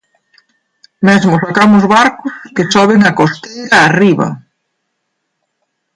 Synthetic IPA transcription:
mɛzmʊsakamʊzβaɾkʊskesɔβ̞eŋɐkost̪ejɾɐːriβɐ̰

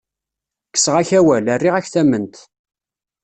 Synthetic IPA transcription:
kːə̥sʁæçæwælərːiʁæçθæmːənt̪

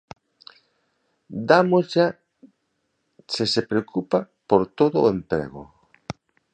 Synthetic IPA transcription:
d̪amozʝa | sesepɾeokʰupa | poɾt̪oðoempɾḛɣo̰

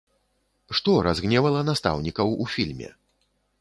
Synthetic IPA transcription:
ʂt̪ɔɾazɣnʲɛvɐlˠɐnast̪a̰wnʲikɐwufʲilʲmʲɛ̰

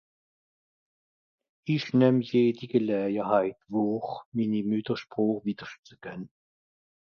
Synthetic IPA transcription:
içnɛmjeːdiɡəlɛːɡəhaɪtvoːχminimytəʃpʁ̥ɔːχviːd̥əʃt͡səkənə

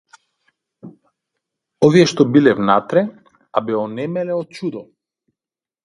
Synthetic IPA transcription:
ɔviɛʃt̪ɔbilɛvnat̪ɾɛ | abɛɔnɛmɛlɛɔt̪̚t͡ʃud̪ɔ

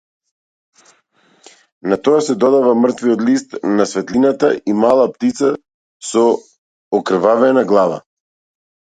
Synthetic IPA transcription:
nat̪ɔasɛd̪ɔd̪avamr̩t̪viɔt̪list̪nasvɛt̪linat̪aimalˠap̚t̪it̪sa | sɔ | ɔkr̩vavɛnaɡlˠava̰

